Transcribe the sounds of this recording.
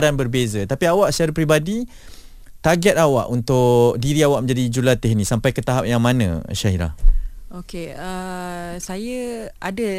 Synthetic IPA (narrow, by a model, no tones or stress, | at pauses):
ɾanbərbezət̪apiawaʔsə̥t͡ʃaɾapɾibadi | t̪aɡɛt̪̚awa̰ʔunt̪ʊʔʔdiɾiawaʔ̚məɲd͡ʒadid͡ʒulat̪ɪɦnĩsampajkət̪aɦap̚jaŋmanã̰ʃaɦiɾa̰hokeəsajəadə